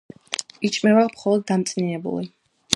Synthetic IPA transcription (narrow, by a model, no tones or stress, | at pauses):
it͡ʃʼmɛvamχɔlˠɔd̪ːamt̪sʼninɛbṵlḭ